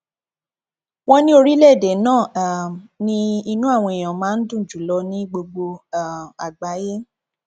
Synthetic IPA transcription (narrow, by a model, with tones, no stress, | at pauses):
wɔ̃˦nĩ˦o˧ɾi˦lɛ˦˨de˨˦nãː˦˨nĩ˧˦i˧nũ˦a˦˨w̃ɔ̃˧i˨j̃ã˨mãː˨˦n̩˦dũ˦˨d͡ʒu˨˦˨lɔ˧nĩ˦ɡ͡bo˧ɡ͡bo˧a˨a˨ɡ͡ba˨˦je˦